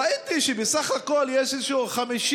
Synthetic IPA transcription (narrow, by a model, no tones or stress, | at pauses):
ait̪iʃebesaχhako̞ljeʃezʃuχamiʃ